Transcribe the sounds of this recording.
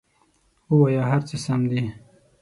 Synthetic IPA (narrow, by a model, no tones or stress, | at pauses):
uwajaɦaɾt͡səsamd̪i